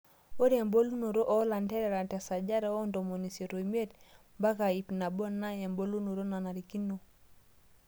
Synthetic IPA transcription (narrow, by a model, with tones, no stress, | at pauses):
o˦ɾe˨mbo˦lu˦no˨ɾo˦ʔɔ˦la˨nte˦ɾe˨ɾa˨nte˨sa˨d͡ʒa˦ɾa˨˦o˦ndo˨mo˨ni˨se˨ɾo˨m˦e˦tba˦ka˨i˨pna˨bo˦na˦je˨mbo˦lu˦no˨ɾo˦na˨na˨ɾi˨ki˦no˨